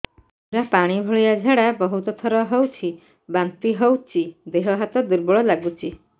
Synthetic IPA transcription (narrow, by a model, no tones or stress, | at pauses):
uɾapaɽ̃ibʱɔɭijad͡ʒʱaɽabɔɦut̪ɔt̪ʰɔɾɔɦowt͡ʃʰi | bant̪iɦowt͡ʃʰid̪eɦɔɦat̪ɔd̪uɾbɔɭɔlaɡut͡ʃʰi